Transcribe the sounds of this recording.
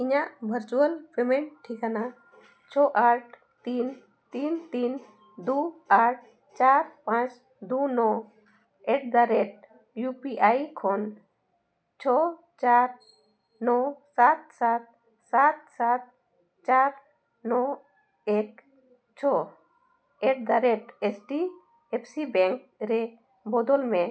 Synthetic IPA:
iɲaʔbʱəɾt͡ʃuəlpemɛɳʈʈʰːikana | t͡ʃʰɔʔaʈʰ | t̪in | t̪int̪in | d̪uaʈ̚ʰ | t͡ʃaɾpãt͡ʃ | d̪unɔ | ɛʈ̚d̪aɾɛʈ̚ | jupiʔajkʰɔn | t͡ʃʰɔ | t͡ʃaɾ | nɔsat̪̚sat̪̚ | sat̪̚sat̪̚ | t͡ʃaɾ | nɔ | ɛk | t͡ʃʰɔ | ɛʈ̚d̪aɾɛʈɛsʈi | ɛpʰsibɛŋkɾɛ | bɔd̪ɔlmɛ

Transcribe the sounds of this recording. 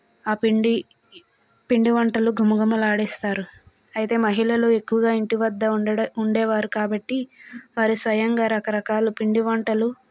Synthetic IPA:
aːpiɳɖi | piɳɖiʋɐɳʈɐluɡʱumuɡɐmɐlaːɽɛːst̪aːɾu | ɐjit̪e̞ːmɐɦiɭɐlue̞kːuʋɐɡaːiɳʈiʋɐd̪ːɐuɳɖɛːʋaːɾukaːbɐʈːiʋaːɾisʋɐjɐŋɡaːɾɐkɐɾɐkaːlupiɳɖiʋɐɳʈɐlu

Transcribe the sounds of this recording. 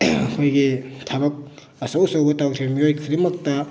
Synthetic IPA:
ɐkʰojɡitʰabɐk̚ | ɐsɐwsɐwɡɐtawtʰiɾmiojkʰɯɾimɐk̚tɐ

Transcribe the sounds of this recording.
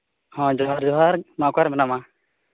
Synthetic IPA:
hɔ̃d͡ʒɔɦaɾd͡ʒɔɦaɾmakaɾmɛnama

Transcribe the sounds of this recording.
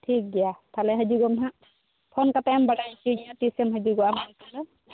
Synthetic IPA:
ʈʰik̚ɡɛjat̪ʰalɛɦəd͡ʒuɡɔmɦaʔ | pʰɔnkapɛɛmbaɽajt͡ʃʰud͡ʒaʈisɛmɦəd͡ʒuɡɔamat̪alɔ

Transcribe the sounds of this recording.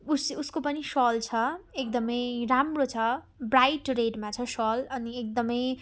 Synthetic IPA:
ususkopʌnisʌlt͡sʰʌek̚d̪ʌmʌjɾamrot͡sʰʌ | brajʈreɖmat͡sʰʌsʌlʌniek̚d̪ʌmʌj

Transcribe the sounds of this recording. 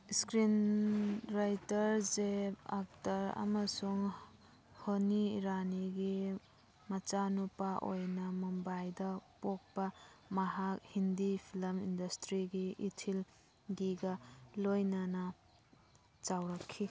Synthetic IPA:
skɾin | ɾajtɐɾzepa̰k̚tɐɾa̰masuŋ | honiɾaniɡi | mɐt͡ʃanupaʔojnɐmumbajdɐpok̚pamɐɦak̚hindipʰilɐmindɐstɾiɡiʔitʰil | ɡiɡalojnanɐ | t͡ʃawɾakʰːi

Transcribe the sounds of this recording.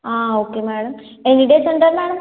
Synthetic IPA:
aːoːkːemeːɽɐm | enːiʈesɐɳɖɐɾmeːɽɐm

